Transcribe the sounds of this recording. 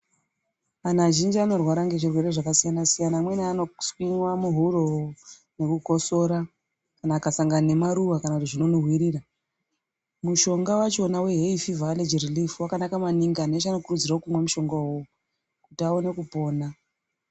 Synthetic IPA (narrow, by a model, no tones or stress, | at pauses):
anaʒind͡ʒiano̞rwaɾaŋɡe̞ʐirwe̞ɾe̞ʐakasijanasijanamwe̞niano̞swinwamuɦuroo | ne̞kuɡʱo̞so̞ɾa | kanaːkasaŋɡanemaɾuʋakanakutiʐino̞noɦwiɾiːra | muʃo̞ŋɡawat͡ʃo̞nawe̞ɦeifivaled͡ʒirilifwakanakamaniŋɡanet͡ʃano̞kurud͡ziraokumwamuʃo̞ŋɡau | kutiaone̞kupo̞ːna